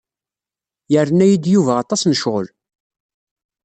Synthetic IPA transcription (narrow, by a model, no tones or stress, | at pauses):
jəɾənæjid̪juvæɑt̪ˤɑsnəʃʁə̰l